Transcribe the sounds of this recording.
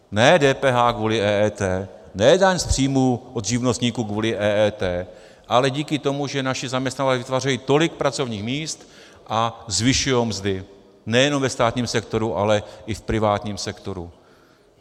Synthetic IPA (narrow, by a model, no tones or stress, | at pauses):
nɛːdɛːpɛːɦaːkvuːlɪʔɛːɛːt̪ɛː | nɛdaɲst̪r̝̥iːmuːʔod̪ʒivnost̪ɲiːkuːɡvuːlɪʔɛːɛːt̪ɛː | ʔalɛɟiːkɪt̪o̞muʒɛnaʃɪzamɲɛst̪nat̪lɛvɪt̪vaːrɛjiːt̪o̞lɪk̚pɾat͡so̞vɲiːxmiːst̪ | ʔazvɪʃujowmzdɪ | nɛjɛno̞mvɛst̪aːt̪ɲiːmsɛk̚t̪o̞ɾuʔa̰lɛʔɪfpɾɪvaːt̪ɲiːmsɛkt̪o̞ɾu